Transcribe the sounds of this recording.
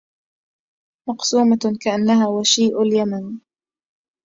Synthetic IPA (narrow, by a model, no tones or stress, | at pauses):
mɑqsuːmakaʔanːaɦaːwaʃiːʔʊljaman